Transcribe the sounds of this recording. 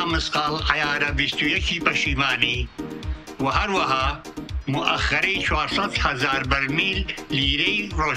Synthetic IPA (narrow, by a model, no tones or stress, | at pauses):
mɨsqaːlɐjaːɾɐbist̪ujɐkʰiːpɐʃiːmaːne | wɐɦɐɾwɐɦa | muʔɐxɐɾet͡ʃʰwaːɾsɐt̪hɐzaːɾbɐɾmiːlliːɾejɾoː